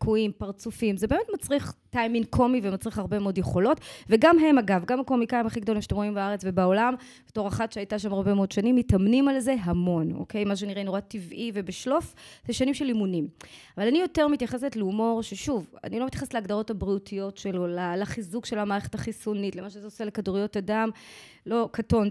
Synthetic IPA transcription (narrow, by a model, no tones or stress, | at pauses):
kʰuimpaʁt͡sufimzebe̞ːmetmat͡sʁiχtajmiŋkʰo̞mivemat͡sʁiχaʁbe̞meodjeχo̞lo̞tveɡamɦe̞maɡavɡamako̞mikaimaχiɡd̪o̞limʃḁtemʁoimbaaʁet͡svebaolam | beto̞ʁaχatʃeajtaʃ̬amaʁbe̞meod̥ʃanimːitamnimalze̞ɦamo̞no̰ke̞jmaʃ̬eniʁenoʁativʔivebeʃlo̞fz̥eʃanimʃelimunimavalanijo̞te̞ʁmitjaχes̬etliumo̞ʁʃeʃuva̰nilomet̪jaχestleaɡdaʁo̞thabʁiutʰijo̞tʃelolalaχizukʃe̞lamaːʁe̞χetaχisunitlemaʃezeoselekaduʁijo̞tadam | lo̞kato̞n